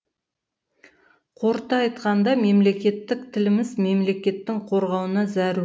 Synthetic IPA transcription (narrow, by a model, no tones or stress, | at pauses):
qʰo̞ɾt̪ɑɑjt̪qɑnd̪ɑme̞mle̞kʲe̞t̪ːɪkt̪ʰɪlɪmɪzme̞mle̞kʲe̞t̪ːɪŋqʰo̞ɾʁɑwənɑzæɾ